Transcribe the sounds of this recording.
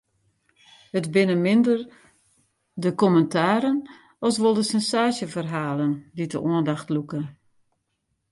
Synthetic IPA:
ətbɪnəmɪndər | dəkɔməntʰaːɾən | ɔsʋolˠdəsɛnsaːʃjəfərɦaːlənditəʔɔəndaxtlukə

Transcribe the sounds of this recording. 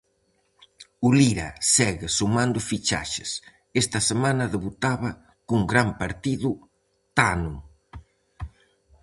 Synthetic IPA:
uliɾɐsɛɣɪsumand̪ʊfit͡ʃa̰ʃɪs | est̪ɐsemanɐðeβut̪aβɐ | kuŋɡɾampaɾt̪iðu | t̪anu

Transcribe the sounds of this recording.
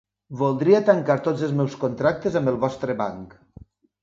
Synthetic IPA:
βolˠd̪ɾiat̪aŋkaɾt̪od͡zelˠzmɛwskont̪ɾak̚t̪ezəmbəlˠβɔst̪ɾəβaŋk

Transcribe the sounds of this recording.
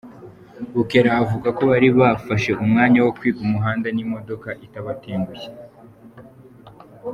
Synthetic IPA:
βuke̞ɾavuɡako̞βaɾiβafaʃe̞ʔumŋaːɲawo̞kwiːkumuɦaːndenimo̞do̞kaʔitaβateːŋɡuje̥

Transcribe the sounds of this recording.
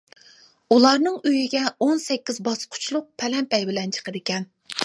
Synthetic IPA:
ulˠɑɾnɨŋøjiɡʲɛonsɛkʲːizbɑsqʰʊ̥t͡ʃʰlˠʊq̚pʰɛlɛmpɛjbɪlɛnt͡ʃʰə̥qəɾɪkʲɛn

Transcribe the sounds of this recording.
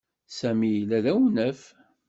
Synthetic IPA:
sæmijlæðæwnəf

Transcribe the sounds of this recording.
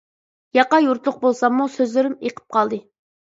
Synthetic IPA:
jɑqɑjuɾt̪lˠʊq̚bolˠsɑmːusøzlɪɾymeqʰə̥p̚qʰɑlˠd̪ɨ

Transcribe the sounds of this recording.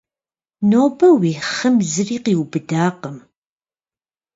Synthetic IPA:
noːbɐwiːχɐmzɨriːqiːwbɨdaːqəm

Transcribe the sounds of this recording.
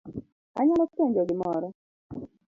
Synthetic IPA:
a̰ɲalɔteɲd͡ʒɔɡɪmɔɾɔ

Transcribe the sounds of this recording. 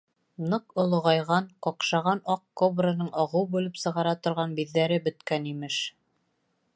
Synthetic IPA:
nɤqŏlˠŏʁɑjʁɑnqɒqʃɑʁɑnɑqkobrɤnɤɴɒʁɤwbʉlɘpsɤ̆ʁɑɾɑt̪ŏɾʁɑnbiðːæɾɘbɵ̆t̪kænimɘʃ

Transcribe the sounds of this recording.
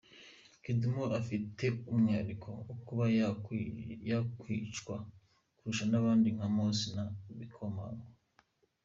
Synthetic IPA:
kidumoʔafitʰe̞umɲaɾikʰo̞ːkuβa | jakwit͡ʃkwa | kuɾuʃanaβaːndiŋhamosinaβikʰoma̰ŋɡa

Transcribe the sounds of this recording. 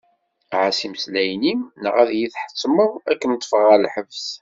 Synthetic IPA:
ʕasiməslæjnimnə̰ʁæðjiθħə̥t͡sˤːməækːənt̪ˤːfəʁælħəvs

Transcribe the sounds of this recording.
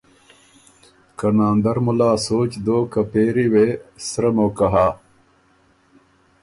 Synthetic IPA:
kɐnaːnd̪ɐɾmulaːsoːt͡ɕd̪oːkɐpeːɾiwesɾɐmoːkɐɦaː

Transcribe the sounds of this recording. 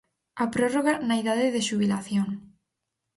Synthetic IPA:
apɾoroɣanaiðaðeðeʃuβilaθjoŋ

